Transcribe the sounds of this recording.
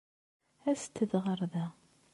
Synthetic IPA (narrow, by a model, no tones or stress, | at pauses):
æst̪ːəðʁəɾˤðæ